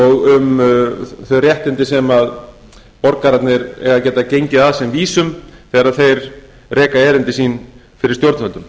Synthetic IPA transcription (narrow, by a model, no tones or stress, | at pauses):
ɔɣʏm | θœɥrjɛht̪ɪnt̪ɪsɛmað | pɔɾkaɾat̪nɪɾɛ̰ɣaðcɛːt̪acejɲcɪðaðsɛmviːsʏmθɛːɣaɾaðθejɾ | rɛːkaɛːɾɪnt̪ɪsiːn | fɪɾɪɾ̥st̪jowɾt̪œnt̪ʏm